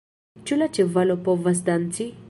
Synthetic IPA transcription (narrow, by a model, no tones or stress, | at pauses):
t͡ʃulat͡ʃevalopovas̬d̪ant͡si